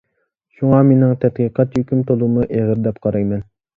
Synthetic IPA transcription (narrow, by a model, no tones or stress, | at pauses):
ʃuŋɑmenɪŋt̪ʰɛt̪̚qʰiqʰɑt̪høkʲymt̪ʰolˠumuʔeʁɪɾd̪ɛp̚qʰɑɾɑjmɛn